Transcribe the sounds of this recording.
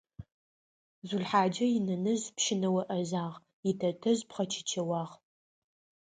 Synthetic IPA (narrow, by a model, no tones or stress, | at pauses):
zʷuɮħaːd͡ʒɐjɪnɐnɐzpʃɪnɐwɐʔɐzaːʁ | ɪtʰɐtʰɐzpχɐt͡ʃʰɪ̥t͡ʃʰɐwaːʁ